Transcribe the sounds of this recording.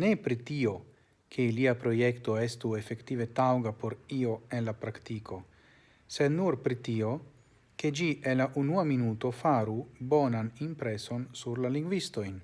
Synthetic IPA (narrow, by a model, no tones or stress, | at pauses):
ne̞pɾitio̞ | kʰeiliapɾo̞je̞kto̞e̞stue̞fe̞ktive̞tawɡapo̞ɾio̞e̞nlapɾaktiko̞ | se̞d̪nuɾpɾitio̞ | ke̞d͡ʒienlaʔunuaminuto̞faɾubo̞nanimpɾe̞so̞nsuɾlaliŋɡvisto̞jn